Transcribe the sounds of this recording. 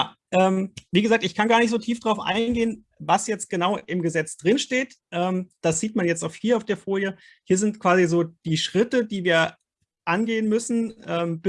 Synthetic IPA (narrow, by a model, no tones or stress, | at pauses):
jaː | ʔɛːmviːɡəzaːk̚tɪçkʰanɡaːɐnɪçtz̥oːtʰiːfd̥ʁaʊfʔa̰ɪnɡeːən | vasjɛt͡st̚ɡ̥ənaʊʔɪmɡəzɛt͡sd̥ʁɪnʃteːt | ʔɛːmd̥asz̥iːtmanjɛt͡staʊxhiːɐaʊfd̥eːɐfoːljə | hiːɐzɪntkv̥aːzizoːd̥iːʃʁ̥ɪtəd̥iːviːɐ | ʔanɡeːənmʏsn̩ʔɛːmb̥